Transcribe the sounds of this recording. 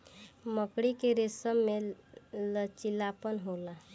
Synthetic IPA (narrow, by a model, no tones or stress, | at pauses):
məkɽikeɾesəmːelət͡ʃilapənɦola